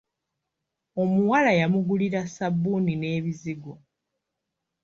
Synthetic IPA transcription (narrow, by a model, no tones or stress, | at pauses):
o̞muwalajamuɡuliɾasabːunine̞ːβiziɡo